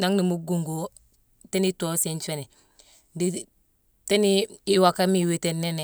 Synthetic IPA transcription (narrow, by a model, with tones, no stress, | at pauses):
na˦ŋni˨mu˦ɡu˨ŋɡo˨ | te˦ni˦to˨˦si˨nt͡ʃe˦ne˨ | di˨ | te˦ni˦i˦wa˨ka˦mi˦˨we˦te˦ne˦ne˨